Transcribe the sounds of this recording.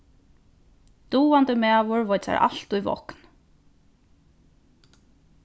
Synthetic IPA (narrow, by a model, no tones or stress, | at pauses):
d̪̥uːant̪əmæːʋʊɹvɔjt̪sa̰ɾʔa̰l̥t̪ujvɔ̰hkn